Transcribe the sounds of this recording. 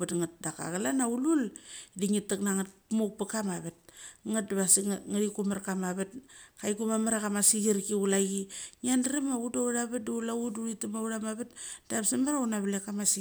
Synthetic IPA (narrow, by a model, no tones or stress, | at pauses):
atŋat̚daka̰ɣalanaululdiŋitːaknaŋatpmuk̚pakamaβet̚ŋat̚daβasiŋaɾikumaɾkamaβetkajkumamaɾakamasiɡiɾkiulaɡiŋiandɾemaudauɾaβat̚duulauduɾitamauɾamaβetd̥aβsamaɾaunaβlekamasi